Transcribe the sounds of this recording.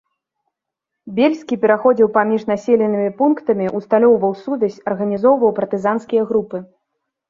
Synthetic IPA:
bʲelʲsʲkʲipʲɛɾaxɔd͡zʲiwpamʲiʂnasʲɛlʲɛnɨmʲipunkt̪ɐmʲiʔust̪alʲɔwvɐwsud̪ɐsʲɐrɣɐnʲizɔwvɐwpɐrt̪ɨzanskʲijɐɣɾupɨ

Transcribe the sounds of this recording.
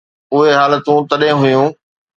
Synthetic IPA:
ʊɦeɦaːlət̪ũt̪ɐɗɦɪ̃ɦʊjũː

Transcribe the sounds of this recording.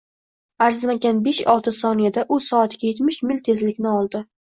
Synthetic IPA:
aɾzmaɡʲanbeʃɒlˠt̪ʰɪsɒnijad̪aʔʊsɒat̪ɡʲaje̞t̪mɪʃmɪlʲt̪ʰe̞zlɪkʲnɪɒlˠd̪ɪ

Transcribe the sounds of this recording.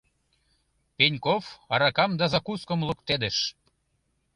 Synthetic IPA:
penʲkofɑɾɑkɑmd̪ɑzɑkuskə̆mlə̆kt̪ed̪ĕʃ

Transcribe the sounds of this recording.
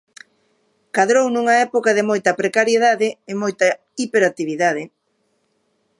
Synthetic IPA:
kaðɾownuŋɐɛpokaðɪmojt̪ɐpɾekaɾjeðaðɪɪmojt̪ɐ | ipeɾat̪iβiðaðɪ

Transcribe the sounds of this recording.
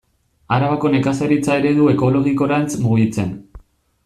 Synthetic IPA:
aɾaβako̞ne̞kasaɾit͡sae̞ɾe̞ðue̞ko̞lo̞ɣiko̞ɾant͡smuɣit͡se̞n

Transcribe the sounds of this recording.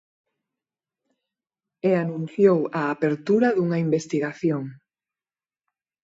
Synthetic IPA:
eanũnθjowaːpeɾt̪uɾɐðuŋaimbest̪iɣaθjoŋ

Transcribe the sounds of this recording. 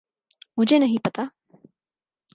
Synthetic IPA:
mʊd͡ʒʱenɐɦĩpɐt̪aː

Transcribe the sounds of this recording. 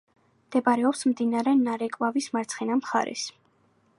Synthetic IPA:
md̪̥ɛbɾɛɔpsmd̪inaɾɛnaɾɛkʼvavismaɾt̪sʰχɛnamχa̰ɾɛ̰s

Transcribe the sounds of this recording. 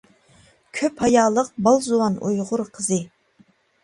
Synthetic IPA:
kʲʰøphɑjɑːlˠəq̚bɑlˠzuwɑnujʁʊɾqʰəzɨ

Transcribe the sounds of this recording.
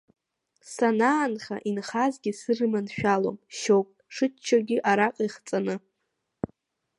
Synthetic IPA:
sanaːnχa̰ʔinχazɡʲɪsɨrɨmanʃᶣalo̰mʃowpʼʂɨt͡ʃʰːaɡʲɪʔaɾaqʼiχt͡sʼanɨ

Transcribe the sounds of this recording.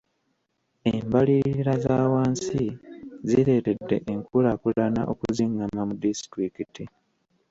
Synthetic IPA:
embaliɾɾazaːwaːnsiziɾe̞ːte̞dːe̞̰ʔeŋkulakulana̰ʔo̰kuziŋɡamamudistɾikiti

